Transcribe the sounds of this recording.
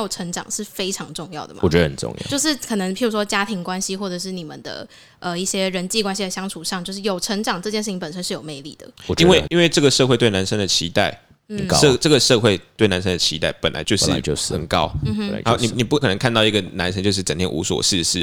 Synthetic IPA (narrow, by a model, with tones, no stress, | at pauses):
o˨˩ʊʈ͡ʂʰə˧˥ŋʈ͡ʂɑ̰˨˩ŋʂɻ̩˥˩fe˥ɪʈ͡ʂʰɑ˧˥ŋʈ͡ʂʊ˥˧ŋjɑ˥˩ʊd̪ə˩ma̰˨wɔ˨˩ɛ˧dəə˨˩nʈ͡ʂʊ̰˥˧ŋjɑ̰˥˨jo˥˧ʊʂɻ̩˥˩kʰɤ˨˩nə˧˦ŋpʰi˨˩ɻu˧˥ʂwɔ˥t͡ɕja˥t̪ʰi˧˥ŋkwa˦˥nɕi˥xwɔ˥˩ʈ͡ʂɤ˨˩ʂ̬ɻ̩˥˩ni˨˩mə̰˨nd̪ə̰˩ | ʔə˧i˥˩ɕjɛ˥ɻə˧˥nt͡ɕi˥˩kwa˥nɕi˧d̪ə˨˧˩ɕjɑ˥ŋʈ͡ʂʰu˨˩ʂɑ˥˧ŋt͡ɕjo˥˧ʊʂ̬ɻ̩˥˩jo˨˩ʊʈ͡ʂʰə˧˥ŋʈ͡ʂɑ˨˩ŋʈ͡ʂɤ˥˧t͡ɕjɛ˥˧nʂɻ̩ʰ˥˩i˧ŋpə˨˩nʂ̬ə˥nʂɻ̩˥˩jo˨˩me˧˩ɪlḭ˥˩d̪ə̰˩˨˩i˥nwe˥˩ɪi˥nwe˥˧ɪʈ͡ʂə˥˩ɡə˩ʂɤ˥˧xwe˥ɪt̪we˥˩ɪna˧˥nʂə˥nd̪ə˨t͡ɕʰi˧˥t̪a̰˥˩ɪ | n̩˨˩˧ʈ͡ʂə˥˩ɡə˩ʂɤ˥˧xwe˥˧ɪt̪we˥˩na˧˥nʂ̬ə˥nd̪ə˨˩t͡ɕʰi˧˥t̪a˥˩ɪpə˨˩nla̰˧˦ɪt͡ɕjo˥˧ʊɻ̩˥˨o˧˥ə̰˨˩nkɑ̰˥˦ʊ˥˧˥a˧˥ni˨˩ni˨˩pu˥˩kʰə˨˩nə˧˦ŋkʰa˥˧nt̪ɑ˥˩ʊi˧˥ɡə˨na˧˦˥nsʰə˧˥nt͡ɕjo˥˧ʊʂɻ̩˥˩ʈ͡ʂə˨ŋt̪ʰjɛ˥nʔṵ˧˥swɔ̰˨˩ʂɻ̩˥˧ʂɻ̩˥˩